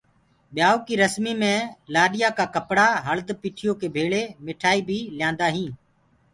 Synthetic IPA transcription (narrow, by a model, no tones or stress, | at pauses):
ɓɪjaːoːkiːɾəsmiːmẽːlaːɗɪjaːkaːkəpɽaːɦəld̪piːʈʰɪjoːkeːbʱeːɭeːmɪʈʰaːiːbʱiːljãːnd̪aːɦĩː